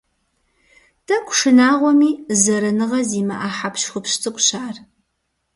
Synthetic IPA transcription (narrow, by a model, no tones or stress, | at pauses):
d̥ʰɐkʷʼʂɨnaːʁʷɔmiːzɐɾɐnɨʁɐziːmɐʔaːħapʃχʷʊpɕt͡sʰʼɨkʷʼɕaːr